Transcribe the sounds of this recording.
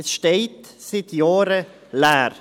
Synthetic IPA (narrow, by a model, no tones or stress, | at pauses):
sʃteɪtsɪt̪jɑːɾə | læːɾ